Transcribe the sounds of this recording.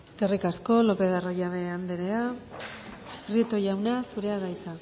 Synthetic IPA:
kerikasko̞lo̞pe̞ðarojaβe̞and̪eɾe̞a | rit̪o̞jawnasuɾe̞aðajt͡sa

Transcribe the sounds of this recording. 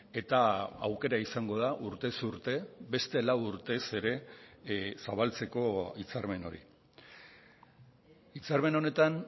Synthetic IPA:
e̞t̪aa̰wke̞ɾaisaŋɡo̞ð̞aʔuɾt̪e̞suɾt̪e̞be̞st̪e̞lawuɾt̪e̞se̞ɾe̞ | saβ̞alt͡se̞ko̞it͡saɾme̞no̞̰ɾḭ | it͡saɾme̞no̞ne̞t̪an

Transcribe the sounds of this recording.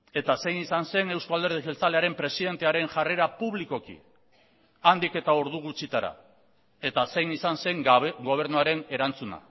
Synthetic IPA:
e̞t̪ase̞jnisanse̞ne̞wskald̪e̞ɾðiɣelt͡saleaɾe̞mpɾe̞siðe̞nt̪e̞aɾe̞ŋʝare̞ɾapuβliko̞kḭ | and̪ike̞t̪ao̞ɾðuɣ̞ut͡sit̪aɾa̰ | e̞t̪ase̞jnisanse̞ŋɡo̞β̞e̞ɾnuaɾe̞ne̞ɾant͡suna̰

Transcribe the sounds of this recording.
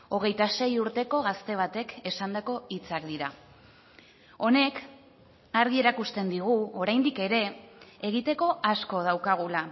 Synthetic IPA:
o̞ɣ̞e̞jt̪ase̞juɾt̪e̞ko̞ɣast̪e̞β̞at̪e̞ke̞sand̪ako̞it͡sakd̪iɾa | o̞ne̞k | aɾɣie̞ɾakust̪e̞nd̪iɣ̞uo̞ɾajnd̪ike̞ɾe̞eɣ̞it̪e̞ko̞ʔasko̞ð̞awkaɣ̞ula

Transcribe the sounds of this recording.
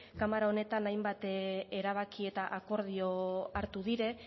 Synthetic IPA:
kamaɾao̞ne̞t̪anajmbat̪e̞ɾaβ̞akie̞t̪aʔako̞ɾð̞io̞aɾt̪uðiɾe̞

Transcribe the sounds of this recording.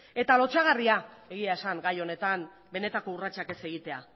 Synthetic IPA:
e̞t̪alo̞t͡ʃaɣariae̞ɣ̞iae̞saŋɡajo̞ne̞t̪an | be̞ne̞t̪ako̞urat͡ʃake̞se̞ɣit̪e̞a̰

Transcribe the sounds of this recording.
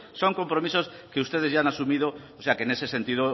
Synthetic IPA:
sõŋko̞mpɾomisoskeust̪eð̞ezʝanasumið̞ooseakene̞sesent̪iðo

